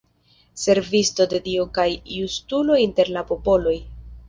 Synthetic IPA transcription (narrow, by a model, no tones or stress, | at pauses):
se̞ɾvisto̞de̞diokajːustulo̞inte̞ɾlapo̞po̞lo̞j